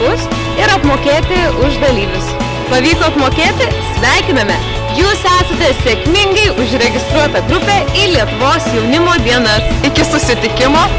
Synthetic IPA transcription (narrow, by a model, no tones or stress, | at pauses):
ʊs | ɪɾɐpmoːkʲeːt̪ʲɪʊʒd̪ɐlʲiːʋʲʊs | pɐʋʲiːk̪oːɐt̪moːkʲeːt̪ʲɪsʲʋʲæˑɪkʲɪnɐmʲɛ | juːsæːsɐt̪ʲɛsʲekmʲɪŋɡɐɪʔʊʒɾʲɛɡʲɪst̪ɾuɔt̪ɐɡɾʊpʲeːiːlʲiɛt̪ʊʋoːsjɛʊnʲɪmoːd̪ʲiɛnɐɪkʲɪsʊsʲɪt̪ʲɪkʲɪmoː